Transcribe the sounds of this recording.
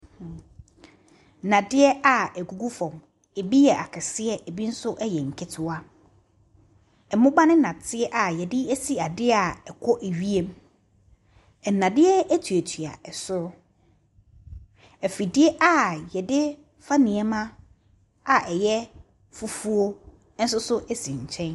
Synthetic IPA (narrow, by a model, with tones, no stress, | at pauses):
nã˨dɪ˦ɛ˦ʔa˨ɛ˨ɡu˨ɡu˦fɔ̃˨m | e˨bi˦jɛ˨ʔa˨kʰɛ˨sɪ˦ɛ˦ʔɛ˨bi˦n̩˦sʊ˦ʔɛ˦jɛ˨ŋ̩˨kʰɪ˦tʰʊ˨a˦ | ɛ˨mʊ̃˦ɡ͡ba˦nɪ̃˦nã˨tʰɪ˦ɛ˦ʔa˨jɛ˨dɪ˦æ˦si˦a˨dɪ˦a˨ɛ˨kʰɔ˦ʔe˨ɥi˦e˦m˦ | ɛ˨nːã˨dɪ˦ɛ˦æ˦tʰu˨æ˨tʰɥa̰˨ɛ˨sʊ˦ɾʊ˦ | ɛ˨fi˨dɪ˦ɛ˦ʔa˦˨jɛ˨dɪ˦ | fa˦nĩ˨ɛ˦mã˦ | a˨ʔɛ˨jɛ˦ | fu˦fu˦o˦ | n̩˦sʊ˦sʊ˦ʔɛ˦sĩ˨ɲ̩˨t͡ɕʰɛ̃˦n